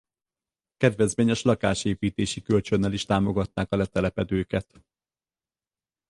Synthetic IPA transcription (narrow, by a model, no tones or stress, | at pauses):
kɛd̪ʋɛzmeːɲɛʃlɒkaːʃeːpiːt̪eːʃikølt͡ʃø̞nːɛliʃt̪aːmo̞ɡɒt̪naːkɒlɛt̪ɛlɛpɛd̪øːkɛt̪